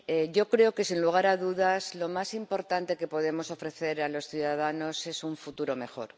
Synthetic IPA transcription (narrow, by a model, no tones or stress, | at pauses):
eʝo̞kɾe̞oke̞sinluɣ̞aɾaðuðazlo̞masimpo̞ɾt̪ant̪e̞ke̞po̞ð̞e̞mo̞so̞fɾe̞θe̞ɾalo̞sθjuðaðano̞se̞suɱfut̪uɾo̞me̞xo̞̰ɾ